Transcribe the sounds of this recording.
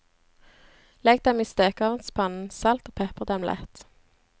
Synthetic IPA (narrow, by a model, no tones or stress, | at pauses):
lɛɡd̪ɛmiːst̪øːkɑːʋənt̪spʰɑnn̩sɑlt̪oːpʰɛpəʁd̪ɛmlʔɛ̰t̪